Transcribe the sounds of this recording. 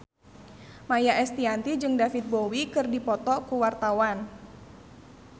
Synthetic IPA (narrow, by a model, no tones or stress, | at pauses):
majaʔɛst̪iant̪id͡ʒɨŋdafit̪̚bowikɨrdipɔt̪ɔkuwart̪awan